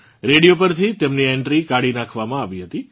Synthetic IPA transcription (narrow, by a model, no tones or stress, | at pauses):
ɾeɽijopəɾt̪ʰit̪emniɛɳʈɾikaɽinãkʰʋamãaʋiɦət̪i